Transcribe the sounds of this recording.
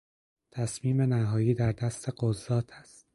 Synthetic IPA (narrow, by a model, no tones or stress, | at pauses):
t̪ʰæsmiːme̞næɦɒːjiːd̪æɾd̪æst̪ʰe̞ɢozːɒːt̪ʰæstt̪̚